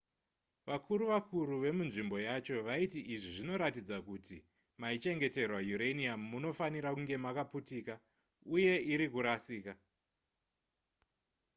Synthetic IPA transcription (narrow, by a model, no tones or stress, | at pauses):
ʋakʰuɾuʋakʰuɾuʋe̞munʐimbo̞jat͡ʃo̞ʋaitiʔiʐiʐino̞ɾatid͡zakuti | mait͡ʃe̞ŋɡe̞te̞rwajuɾeniamːuno̞faniɾakuŋɡe̞makaputiːka | uje̞iɾikuɾasiːka